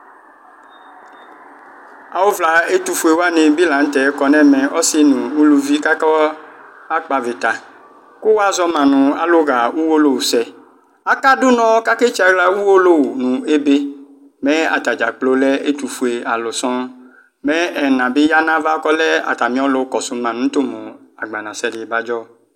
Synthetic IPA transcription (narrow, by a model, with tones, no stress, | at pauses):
a˨wo˦vla˨e˦t̪u˨fu˨e˨wa˦nɪ̃˨bi˦lã˨ŋ̩˦t̪ɛ˨˦kɔ˨nɛ̃˦mɛ̃˨ʔɔ˦sɪ˦nũ˨nũ˦lu˦vi˦ka˦kɔ˦ | a˦k͡pa˨vɪ˨t̪a˨ | kʊ˦wa˦zɔ˦mã˨nʊ̃˨a̰˦lo˦ɣa˨wu˦wo˦lo˦˨wu˨sɛ˨ | a˨ka˦dʊ˦nɔ̃˨˦ka˦ke˦t͡ʃa˨ɡla˦wu˦wo˦lo˦wu˨nũ˨e˦be˦ | mɛ̃˦a̰˨t̪a˨d͡ʒa˨k͡plo˨˦lɛ˦e˦t̪u˨fu˨e˨a˨lʊ˨sɔ̃˦ | mɛ̃˦ɛ˨nã˨bɪ˦ja˦nã˦va˦kɔ˦lɛ˦a̰˨t̪a˨mĩ˨˦ɔ˦lʊ˨˦kɔ˨sʊ˨mã˨nũ˨˦t̪o˦mõ˨a˨ɡ͡ba˨nã˨sɛ˦dɪ˨ba˦d͡ʒɔ˦